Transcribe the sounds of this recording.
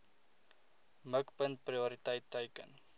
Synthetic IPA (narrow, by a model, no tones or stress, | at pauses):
məkpənt̚prioɾitəjtːəjkə̰n